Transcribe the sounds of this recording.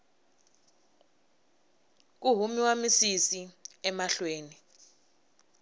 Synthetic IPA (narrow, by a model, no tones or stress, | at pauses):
k̬uɦumiwamisisiɛmaɬweːni